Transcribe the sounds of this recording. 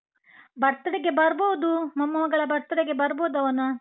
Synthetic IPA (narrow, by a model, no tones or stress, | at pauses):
bɐɾt̪ɐɽeɡebɐɾboʋud̪umɐmːɐʋɐɡɐɭɐbɐɾt̪ɐɽeɡe̞bɐɾboːud̪ɐʋɐnɐ